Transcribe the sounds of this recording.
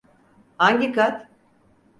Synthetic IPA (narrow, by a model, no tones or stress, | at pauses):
aŋɟikat̪